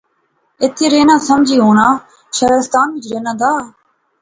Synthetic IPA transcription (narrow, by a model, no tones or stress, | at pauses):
ɪt̪ʰːeːɾeːnãːsəmd͡ʒʱiːɦoːnaː | ʃəɦɾɪst̪aːnʋɪd͡ʒɾeːnãːd̪aː